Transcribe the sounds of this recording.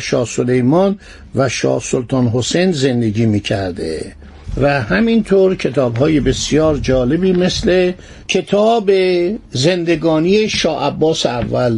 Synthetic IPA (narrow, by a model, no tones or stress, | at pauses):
ʃɒːso̞le̞jmɒn | væʃɒ̰ːhsolt̪ʰɒːnɦosejnze̞nd̪e̞ɟiːmiːcʰæɾd̪ḛ | væhæmint̪ʰoːɾcʰe̞t̪ʰɒːbɦɒːjebe̞sjɒːɾd͡ʒɒːle̞biːme̞sle̞ | cʰe̞t̪ʰɒːbezend̪e̞ɡɒːnije̞ʃɒːʔæbːɒːseævːæl